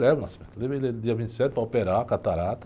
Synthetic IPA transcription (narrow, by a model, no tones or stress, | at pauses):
lɛvɐ̃nasi̥mḛ̃t̪leeled̪iɐvĩnt̪i̥sɛt̪̚pɾaopeɾakat̪aɾat̪